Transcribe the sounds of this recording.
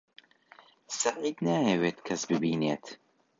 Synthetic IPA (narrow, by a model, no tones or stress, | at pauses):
sɐqiːt̪naːjɛweːt̪kʰɐsbɨbiːneːt̪